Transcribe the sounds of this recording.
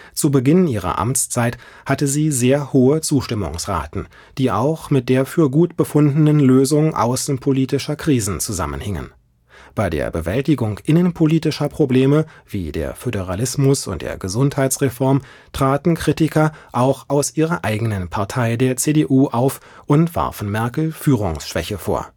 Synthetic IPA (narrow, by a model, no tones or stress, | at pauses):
t͡subəɡɪniːʁɐ̰ʔa̰mt͡st͡saɪt | hatəziːzeːɐhoːət͡suːʃtɪmʊ̰ŋsʁa̰ːtn̩ | d̥iːʔa̰ʊxmɪt̚d̥eːɐfyːɐɡuːtb̥əfʊndnənløːzʊŋʔa̰ʊsn̩pʰoliːtɪʃɐkʁ̥iːzn̩t͡suza̰mə̰nhɪŋə̰n | b̥aɪdḛːɐbəvɛltɪɡʊŋʔɪnənpʰoliːtɪʃɐpʁ̥obleːməv̥iːdḛːɐfødəʁalɪsmʊsʊ̰nt̚d̥ḛːɐɡəzʊnthaɪt͡sʁ̥efɔɐm | tʁ̥aːtn̩kʁ̥itɪkɐʔaʊxaʊsʔiːʁɐʔaɪɡənənpʰaɐtʰaɪdeːɐt͡seːdeʔuːʔaʊfʔʊntv̥a̰ɐfn̩mɛɐkl̩fyːʁ̞ʊ̰ŋsʃv̥ɛ̰çəfo̰ːɐ